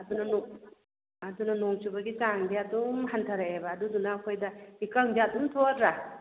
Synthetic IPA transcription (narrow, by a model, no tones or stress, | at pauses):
ɐdunɐnɔ | ɐdunɐnoŋt͡ʃubɐɡit͡ʃaŋdiadumɦantʰɐɾeebɐːdudunɐːkʰojdɐikaŋdiatumtʰodɾa